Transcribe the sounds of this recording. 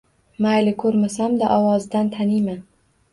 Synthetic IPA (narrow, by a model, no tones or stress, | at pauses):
majlɪkʰɵɾmasamd̪aʔɒwɒzd̪ant̪ʰanima